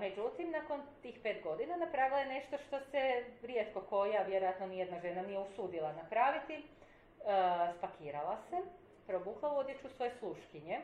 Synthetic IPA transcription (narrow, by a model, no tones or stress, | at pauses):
me̞d͡ʒut̪imnako̞nt̪iːxpeːt̪ɡo̞d̪inanapɾaʋilˠajene̞ʃt̪o̞ʃt̪o̞seɾjet̪ko̞ko̞jaʋjeɾojat̪nonijed̪naʒe̞nanijeusuːd̪ilˠanapɾaːʋit̪i | spakʰiːɾalˠase | pɾo̞buːklˠauo̞d̪jet͡ʃusʋo̞jeslˠuʃkiɲe̞